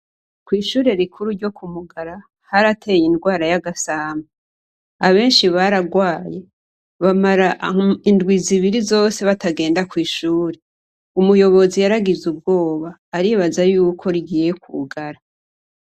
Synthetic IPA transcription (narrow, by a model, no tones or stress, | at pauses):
kwiːʃuːɾe̞ɾikʰuɾuɾɟo̞kʰumuɡaɾa | haɾatʰe̞jindɡwaːɾajaɡasaːma | aβe̞ːnʃiβaɾaɡwaːje̞ | βamaɾaʔindɡwiziβiɾizo̞ːse̞βataɡe̞ːndakwiːʃuːɾe̞ | umujo̞βo̞zijaɾaɡizub̚ɡo̞ːβaːɾiːβazajuːkʰo̞ɾiɡiːje̞kʰṵɡaɾa